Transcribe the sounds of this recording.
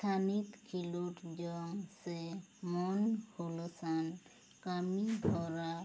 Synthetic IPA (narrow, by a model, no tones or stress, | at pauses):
st̪ʰanit̪kʰiloʈd͡ʒɔŋsemɔnholsan | kamid̪ʱɔɾa